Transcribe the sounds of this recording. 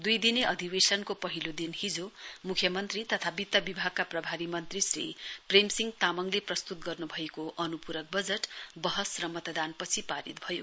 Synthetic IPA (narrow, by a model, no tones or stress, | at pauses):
d̪ujd̪ineʔʌd̪ʱibesʌnkopʌɦilod̪inhid͡zomukʰjʌmʌnt̪rit̪ʌt̪ʰabit̪ːʌbibʱaɡ̚kaprʌbʱaɾimʌnt̪risrḭpremsiŋɡt̪amʌŋleprʌst̪ut̪̚ɡʌrnubʱʌekoʔʌnupuɾʌk̚bʌd͡zeʈbʌɦʌsrʌmʌt̪d̪anpʌt͡sʰipaɾḭt̪̚bʱʌjo̰